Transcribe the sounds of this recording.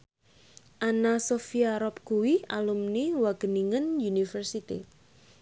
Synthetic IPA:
ʔanasofiaɾɔp̚kuwia̰lumniwaɡ̥ə̤niŋənjunifərsit̪ḭ

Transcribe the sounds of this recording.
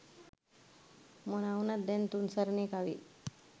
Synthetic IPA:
mənawnət̪̚d̪ent̪unsəɾnikaʋḭ

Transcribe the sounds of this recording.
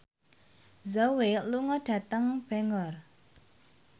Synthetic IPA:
zaweluŋɔɖ̥a̤t̪əŋb̥ɛŋɔr

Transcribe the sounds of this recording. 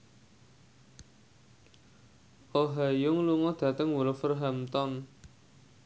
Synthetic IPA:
ʔoɦajʊŋluŋɔd̪̥ä̤t̪əŋwulfərɦamt̪ɔn

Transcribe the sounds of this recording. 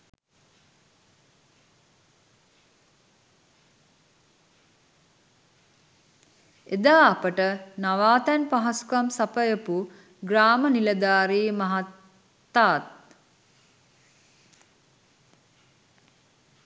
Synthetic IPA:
ed̪aːɐpəʈənaʋaːt̪ɛnpaɦasu̥kamsapəjəpu | ɡraːməniləd̪aːɾiːmaɦat̪ː | aːt̪̚

